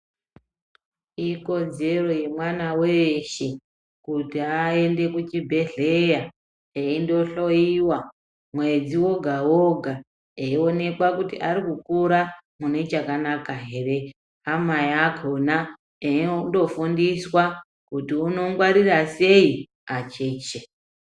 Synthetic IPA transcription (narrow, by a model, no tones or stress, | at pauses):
iko̞d͡ze̞ro̞je̞mwanaweʃe | kutiae̞nde̞kut͡ʃibʱe̞ɮe̞ja | eindo̞ɬo̞jiwa | mwe̞d͡ziwo̞ɡʱawoɡʱa | eio̞ne̞kwakutḭʔaɾikukuɾamune̞t͡ʃakanakaɦere̞ | amajakʰona | endo̞fundiswa | kutiuno̞ŋɡwaɾirase̞i | at͡ʃeːt͡ʃe